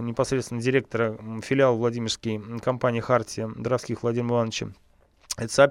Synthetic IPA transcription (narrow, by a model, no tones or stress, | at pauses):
nʲɪpɐsɾʲet̪st̪vʲɪnədʲɪɾʲe̞k̚t̪əɾəfʲɪlʲɪalˠvlˠɐdʲimʲɪrskʲɪjkɐmpanʲɪːxartʲɪəd̪əɾɐfskʲixvlˠɐdʲimmɪlˠant͡ɕə̰ | ɛt̪ə̥sɐː